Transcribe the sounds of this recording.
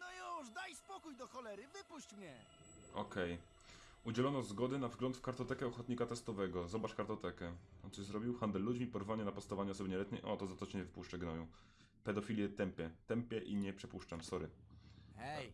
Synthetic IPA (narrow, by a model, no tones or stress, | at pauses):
nɔjuʐd̪ajspɔkujd̪ɔxɔlɛɾɘvɘpuɕt͡ɕmɲɛ | ɔ̰kɛj | ud͡ʑɛlɔnɔzɡɔd̪ɘnavzɡlɔnt̪fkaɾt̪ɔt̪ɛkɛɔxɔt̪ɲikat̪ɛst̪ɔvɛɡɔzɔbat͡ʂʂkaɾt̪ɔt̪ɛkɛɔt̪sɔɕzɾɔbʲiwxand̪ɛlːud͡ʑmʲipɔɾvaɲɛnapɔt̪st̪avaɲɛɔsɔbɘɲɛlɛt̪ɲɛ̰jʔɔ̰t̪ɔzat̪ɔt͡ɕɛɲɛvɘpuʂt͡ʂɛɡnɔju | pɛd̪ɔfʲilʲjɛt̪ɛmpʲjɛt̪ɛmpʲjɛʔiɲɛpʂɛpuʂt͡ʂamsɔɾɘ | ɛj